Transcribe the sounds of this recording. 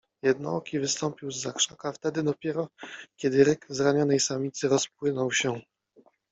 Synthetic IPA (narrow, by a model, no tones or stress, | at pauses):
jɛd̪nɔ̰ɔkʲivɘst̪ɔmpʲiwzːakʂakaft̪ɛd̪ɘd̪ɔpʲjɛɾɔkʲɛd̪ɘɾɘkzɾaɲɔnɛjsamʲit̪sɘɾɔsp̚wɘnɔwɕɛ